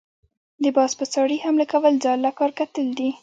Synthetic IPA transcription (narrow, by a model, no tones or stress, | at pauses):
d̪əbɑspəsɑɽihamlakawəlzɑlːakɑɾkat̪əld̪i